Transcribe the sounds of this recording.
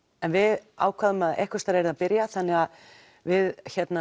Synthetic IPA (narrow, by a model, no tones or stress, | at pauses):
ɛnvɪða̰ːwkʰvaðʏmaðɛ̰hkvʏst̪aɾɛɾɪðapɪɾjaθanːɪɣað | vɪðçɛt̪na